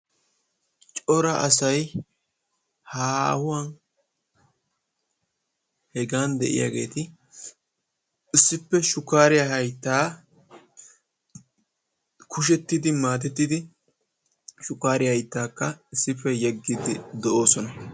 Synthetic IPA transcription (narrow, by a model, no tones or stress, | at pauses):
t͡ʃʼɔɾɐʔɐsɐj | haːhʊwɐn | hɛɡaːnd̪ɛ̰ʔɪ̰ja̰ːɡe̞ːt̪ɪ | ɪsːɪpːɛʃʊkːaːɾɪjahɐjt̪ːaː | kʰʊʃ̬ɛt̪ːɪd̪ɪmaːt̪̬ɛt̪ːɪd̪ɪ | ʃʊkːaːɾɪjahɐjt̪ːaːkːɐɪsːɪpːɛjɛɡːɪd̪ɪd̪ɛʔo̞ːsɔnɐ